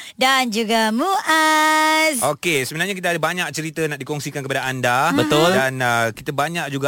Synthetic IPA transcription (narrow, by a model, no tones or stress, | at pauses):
dand͡ʒuɡamuʔasʔokesəmənarɲakit̪aːdabaɲak̚t͡ʃəɾit̪ənaʔ̚dikɔŋsikankəpadaandabət̪ʊldanəkit̪abaɲak̚d͡ʒuɡa